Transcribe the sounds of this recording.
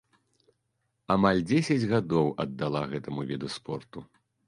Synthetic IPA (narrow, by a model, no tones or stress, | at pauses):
amalʲd͡zʲesʲɐd͡zʲɣad̪ɔwɐd̪ːalˠaɣɛt̪ɐmuvʲɛd̪uspɔrt̪u